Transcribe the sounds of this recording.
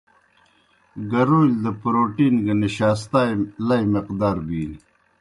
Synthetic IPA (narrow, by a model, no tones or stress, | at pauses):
ɡɐɾuild̪əpɾoːʈiːnɡɐniɕaːs̬t̪aːjlɐjmiqd̪aːɾbiːn